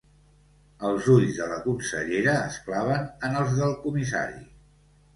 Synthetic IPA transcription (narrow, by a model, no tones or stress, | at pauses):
əlˠzuʎzðələkunsə̰ʎeɾəːsklaβ̞ənənəlˠzðəlˠkumisa̰ɾḭ